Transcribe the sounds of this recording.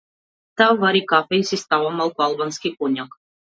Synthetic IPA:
t̪awvaɾikafɛjsist̪awamalˠkualˠbanskʲikuɲʲɔk

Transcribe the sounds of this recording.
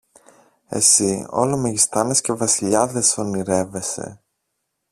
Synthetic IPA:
e̞̰sio̞̰lomeʝist̪ɐnesce̞vɐsiʎɐðe̞so̞niɾe̞ve̞se̞̰

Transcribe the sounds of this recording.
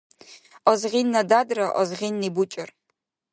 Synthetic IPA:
ɔzʁinːadadraʔɔzʁinːibut͡ʃʼɪr

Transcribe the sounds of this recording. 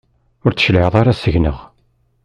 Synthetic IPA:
ʊɾt͡sːə̥ʃlʕðˤaɾasəʝnə̰ʁ

